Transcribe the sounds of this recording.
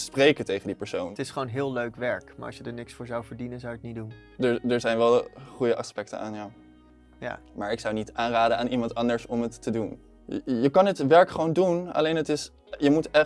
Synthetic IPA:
sprejkətejχəndipəɹsowntɪsχʋownɦɪːlˠløɥkʋɛɹkma̰ːɹʔɑ̰ʃjədəɹnɪksfʊːɹzɑwvəɹdinənzawək̚nidun | dəɹdəɹzɛjnʋɛlˠχujəʔɑspɛk̚tə̰naːnjaw | ja̰maːɹɪksɑwnitaːnraːdənaːnimɑntɑndəɹsɔmɦətːədun | jəkɑnətʋɛɹkχəʋowndunɑ̰lejnɦətɪs | jəmutɛ

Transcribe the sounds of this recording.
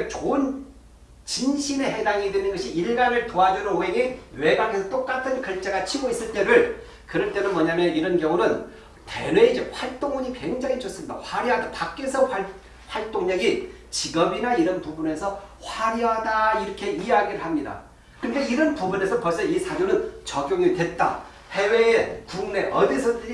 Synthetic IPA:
t͡ɕoɯn | t͡ɕinɕʰine̞ɦe̞daŋidwenɯnɡʌɕʰiiɭɡanɯɭtoɦadenɯnoɦe̞ŋiwe̞ɡakʰe̞sʰʌt͈ok͈atʰɯnkʌɭt͡ɕ͈eɡat͡ɕʰiɡois͈ɯɭt͈e̞ɾɯɭ | kɯɾʌɭt͈e̞nɯnmwʌɲamjʌiɾʌnkjʌŋunɯn | te̞̰nwe̞id͡ʑeɸwaɭt͈oŋuɲikwe̞ŋd͡ʑaŋit͡ɕʌs͈ɯmɲida̰ɸwaɾiɦadapak͈esʰʌa | ɸwaɭt͈oŋɲʌɡi | t͡ɕiɡʌbinaiɾʌnpubune̞sʰʌhwaɾiɦadaiɾʌkʰe̞ijaɡiɾɯɭhamɲida̰ | kɯnde̞iɾʌnpubune̞sʰʌpʌɭs͈ʌisʰad͡ʑonɯnt͡ɕʌɡjoŋitwe̞t̚t͈a̰ | he̞we̞ːkuŋne̞ʔʌdisʰʌdɯɾi

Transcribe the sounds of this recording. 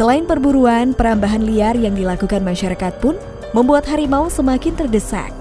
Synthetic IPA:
səlaɪnpərbuɾuanpəɾambaɦanliarjaŋdilakukanmaʃaɾakat̪̚pʊn | məmbuat̪ɦaɾimausəmakɪnt̪ərdəsa̰k̚

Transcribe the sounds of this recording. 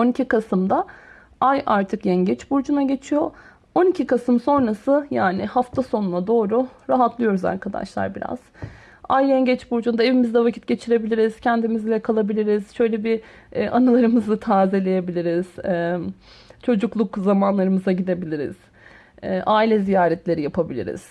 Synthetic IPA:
o̞nicʰikʰasɯmd̪a | ajʔaɾt̪ʰɯkjɛɲɟɛt͡ʃbuɾd͡ʒunaɟe̞t͡ʃʰijo̞ | o̞nicʰikasɯmso̞nɾasɯjaːnɪhaft̪ʰaso̞nunˠad̪o̞ːɾuɾaɦat̪ʰlˠɯjo̞ɾuza̰ɾkʰad̪a̰ʃlˠa̰ɾbiɾa̰z̥ | ajːɛɲɟɛt͡ʃbuɾd͡ʒund̪ae̞vimizd̪ɛvacʰit̪̚ɟe̞t͡ʃʰiɾe̞bilʲiɾiz̥cʰɛnd̪imizlʲɛkʰalˠabilʲiɾiz̥ʃø̞jlʲebi | ʔanɯlˠaɾɯmɯzɯt̪ʰaːzelʲe̞jebilʲiɾiz̥ɛ | t͡ʃʰo̞d͡ʒuklˠukzamanlˠaɾɯmɯzaɟid̪e̞bilʲiɾḭz̥ | ɛʔaːilʲɛzijaːɾɛt̪ʰlʲe̞ɾijapʰabilʲḭɾɪ̰z̥

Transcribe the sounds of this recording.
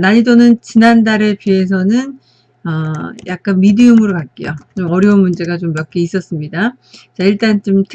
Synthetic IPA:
naɲidonɯnt͡ɕinandaɾepie̞s̬ʰʌnɯn | ʌjak̚k͈anmidɯomɯɾokat̚k͈ijo̰t͡ɕomʌɾjʌunmund͡ʑe̞ɡat͡ɕomjʌk͈eis͈ʌs͈ɯmɲida | t͡ɕaiɭt͈ant͡ɕomtʰɯ

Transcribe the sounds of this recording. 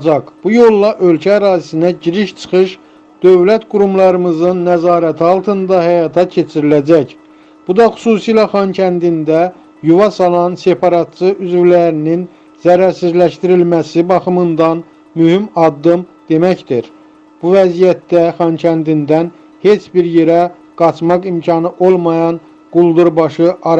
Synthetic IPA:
d͡ʒɑkb̥ujo̞lˠːɑʔø̞lcʰæːɾɑːzisinæɟiɾiʃt͡ʃʰɯ̥χɯʃ | d̪̥ø̞vlæt̪ɡuɾumlˠɑɾɯmɯzɯnːæzɑːɾæt̪ʰiɑlˠt̪ʰɯnd̪ɑhæjɑt̪ʰɑcʰe̞t͡ʃʰiɾilæd͡ʒæc | b̥ud̪ɑxu̥suːsijlɑχɑncʰænd̪ind̪æ | juvɑsɑlˠɑnse̞pʰɑɾɑt̪̚t͡ʃɯyzvilæɾinin | zæɾæɾsizlæʃt̪iɾilmæsibɑxɯmɯnd̪ɑn | myhimɑd̪ːɯmd̪̥e̞mæcd̪iɾ | b̥uvæzijæt̪̚d̪æχɑncʰænd̪ind̪æn | he̞t͡ʃbiɾje̞ɾæ | ɡ̥ɑt͡ʃʰmɑqimcʰɑnɯʔolˠmɑjɑn | ɡ̥ulˠd̪uɾbɑʃɯʔɑɾ

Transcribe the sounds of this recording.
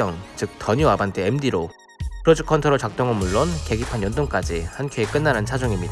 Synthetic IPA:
ʌŋt͡ɕɯk̚t͈ʌɲuabantʰeemdiɾo | pʰɯɾʌd͡ʑikʰʌntʰʌɾot͡ɕak̚t͈oŋʌnmuɭːonke̞ɡipʰanjʌndoŋk͈ad͡ʑihankʰeek͈ɯnːaɾant͡ɕʰad͡ʑʌŋimɲida

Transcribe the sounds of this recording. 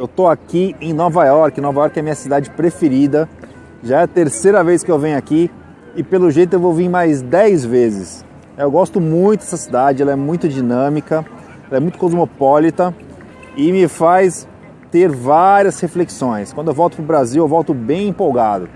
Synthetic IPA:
ewt̪oakiẽj̃nɔvajɔɾkɪ̃nɔvajɔɾkɪɛɐmĩɲɐsid̪ad͡ʒɪpɾefeɾid̪ɐ | ʒaɛɐt̪eɾsejɾɐveskɪewvẽj̃ʊaki | ɪpelʊʒejt̪ʊewvowvĩmajzd̪ɛjzvezɪs | ewɡɔst̪ʊmũj̃t̪ʊd̪ɛsɐsid̪ad͡ʒɪɛlɐɛmũj̃t̪ʊd͡ʒinɐ̃mikɐ | ɛlɐɛmũj̃t̪ʊ̥kozmopɔlit̪ɐ | ɪmɪfajs | t̪eɾvaɾiɐshefleksõj̃skɐ̃d̪ʊewvɔwt̪ʊ̥pɾʊbɾaziwewvɔwt̪ʊbẽj̃ẽmpowɡad̪ʊ

